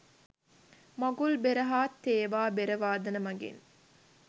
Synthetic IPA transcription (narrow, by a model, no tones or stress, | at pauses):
mɐɡulbeɾɐɦaːt̪ːeːʋaːbeɾɐʋaːd̪ɐnɐmɐɡḛn